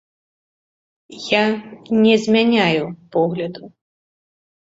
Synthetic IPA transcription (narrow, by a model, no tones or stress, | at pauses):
janʲɛzʲmʲanʲajupɔɣlʲɐd̪u